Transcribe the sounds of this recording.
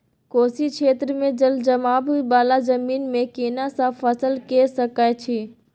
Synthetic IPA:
koːsikʃʰeːt̪ɾəmẽd͡ʒəld͡ʒɐmaːbibaːlazɐmiːnmẽkeːnasãfʰɐsəlkesɐkaːjt͡ʃʰiː

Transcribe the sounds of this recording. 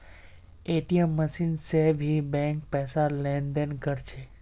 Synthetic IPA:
eʈiemːəʃinseʋɦibɛ̃ŋk̚pɛsalɛ̃nd̪enkəɾt͡ʃʰe

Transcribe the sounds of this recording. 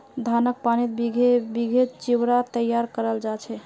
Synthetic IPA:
d̪ʱanək̚panit̪̚biɡʱebiɡʱet͡ʃiwɾat̪əjaɾkəɾəld͡ʒat͡ʃʰɛ

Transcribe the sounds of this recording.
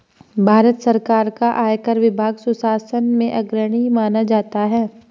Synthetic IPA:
bʱaːɾət̪sɐɾkaːɾkaʔaːjkəɾʋɪbʱaːɡsʊsaːsənmẽʔɐɡɾəɽ̃imaːnad͡ʒaːt̪aɦɛː

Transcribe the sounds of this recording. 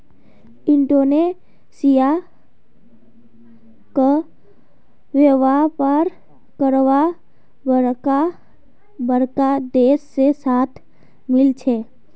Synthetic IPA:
ɪ̃ɳɖone | sija | kə | ʋeʋapəɾ | kəɾwa | bəɾka | bəɾkad̪eːsːesaːt̪ʰ | mɪlt͡ʃʰeː

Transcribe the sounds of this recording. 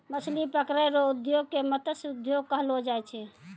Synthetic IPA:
məslipəkɾəjɾoud̪joɡ̚kemət̪əsud̪joɡ̚kəɦlod͡ʒajt͡ʃʰɛ

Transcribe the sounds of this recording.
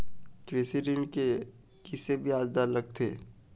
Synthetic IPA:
kɾeːsiɾɪɳɖke | kisebʱiaːd͡ʒd̪aləɡ̚t̪ʰeː

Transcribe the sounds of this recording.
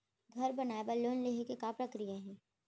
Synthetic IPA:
ɡʱɐɾbɐnaːebaloːnleɦekekapɾɐkɾijaɦɛ̃ː

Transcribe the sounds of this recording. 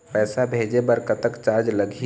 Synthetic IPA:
pɛːsabʱed͡ʒebəɾkət̪əkt͡ʃaɾd͡ʒləɡʱi

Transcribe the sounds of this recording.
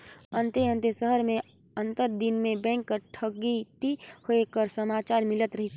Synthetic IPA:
ə̃nt̪eə̃nt̪esəɦəɾmẽ | ə̃nt̪əɾd̪ɪnmẽbɛ̃ːŋkːəɾʈʰəɡit̪ihoekəɾsəmaːt͡ʃaːɾmɪlət̪ɾɐɦit̪ʰ

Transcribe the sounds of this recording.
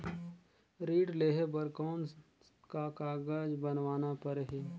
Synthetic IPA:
ɾiːɖleːɦebəɾkɔːn | kakaːɡaːd͡ʒbənʋaːnapəɾɦiː

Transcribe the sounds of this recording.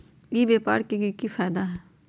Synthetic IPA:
iːbeːpa̰ːɽkiɡikifaːd̪aɦɛː

